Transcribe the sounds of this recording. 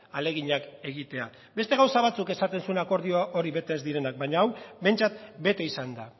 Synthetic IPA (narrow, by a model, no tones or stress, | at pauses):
ale̞ɣiɲake̞ɣ̞it̪e̞a | be̞st̪e̞ɣ̞awsaβat͡suke̞sat̪e̞nsue̞nako̞ɾð̞io̞aʔo̞ɾiβe̞t̪eːzd̪iɾe̞nak̚baɲaːwbe̞jnt͡sat̪be̞t̪e̞isand̪a